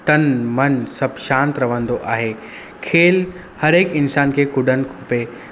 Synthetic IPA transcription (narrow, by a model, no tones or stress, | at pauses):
t̪ɐnmɐnsɐbʱʃãːnt̪ɾɐʋə̃nd̪oʔaːɦe | kʰeːl | hɐɾeːkɪnsaːnkʰeːkʊɖʱənɪ̆kʰoːpe